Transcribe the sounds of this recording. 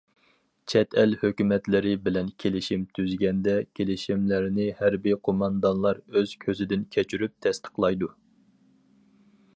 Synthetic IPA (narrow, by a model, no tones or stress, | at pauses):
t͡ʃʰɛt̪ʰɛlhøkʲymɛt̪lɪɾɪbɪlɛnkʲʰelɪʃimt̪ʰyzɡʲɛnd̪ɛkʲʰelɪʃimlæɾnɪhæɾbiqʰomɑnd̪ɑnlˠɑɾøz̥kʲʰøzɪd̪ɪnkʲʰɛt͡ʃʰyɾyp̚t̪ʰɛst̪ʰə̥qlˠɑjd̪u